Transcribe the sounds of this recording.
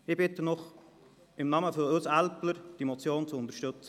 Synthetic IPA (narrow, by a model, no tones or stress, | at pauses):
ɪbɪt̪ənɔχ | ɪmnɑməfɔɾøsælpləɾd̥imɔt͡sjoːnt͡suʊnt̪əɾʃtʏt͡sə